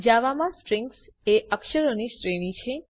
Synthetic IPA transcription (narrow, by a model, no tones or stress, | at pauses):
d͡ʒaʋamãsʈɾɪ̃ŋks | eʔəkʃəɾonisʈɾenit͡ʃʰe